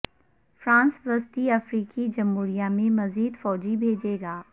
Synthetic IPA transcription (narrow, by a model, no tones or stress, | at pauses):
fɾãːnsʋɐst̪iɐfɾiːkid͡ʒɐmɦuːɾijamẽmɐziːd̪fɔːd͡ʒibʱeːd͡ʒeːɡaː